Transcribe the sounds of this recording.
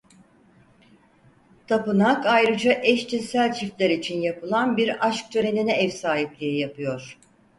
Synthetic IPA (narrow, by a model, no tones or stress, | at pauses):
t̪ʰapɯnakajɾɯd͡ʒaʔɛʃt͡ʃʰinsælʲt͡ʃʰift̪lʲæɾit͡ʃʰinjapʰɯlˠanbiɾaʃk̚t̪ʰøɾe̞ninɛɛfsaːɦip̚lʲijɛjapʰɯjo̞ɾ̥